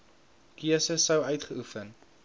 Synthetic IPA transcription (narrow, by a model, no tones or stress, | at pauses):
kiəsəsːəwœɥtχəufən